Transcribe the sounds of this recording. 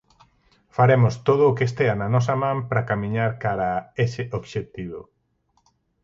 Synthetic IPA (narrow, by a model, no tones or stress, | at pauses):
faɾemʊst̪oð̞ʊːkest̪eanɐnɔs̬ɐmãmpɾakamĩɲaɾkaɾaesɪʔobʃet̪iβo